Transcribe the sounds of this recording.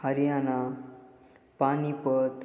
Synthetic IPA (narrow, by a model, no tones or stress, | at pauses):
haɾijana | panipət̪